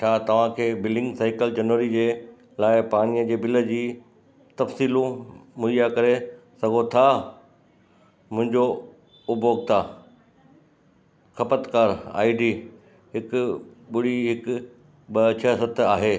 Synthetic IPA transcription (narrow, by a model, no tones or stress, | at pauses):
t͡ɕʰaːt̪ɐʋ̤ãkʰeːbɪlɪ̃ŋɡsaːɪkəld͡ʑɐnʋəɾid͡ʑeː | laːɪpaːɽ̃iəd͡ʑeːbɪlə̆d͡ʑiː | t̪ɐfsiːlũmʊijakɐɾesɐɡʱot̪ʰa | mʊ̃ɦɪ̃ɲd͡ʑo | ʊbʱoːɡ̚t̪ʰaː | xɐpət̪kaːɾa̰ːɪɖiː | ɦɪkʊɓʊɽiɦɪkʊ | ɓɐt͡ɕʰəsət̪ʰaːɦeː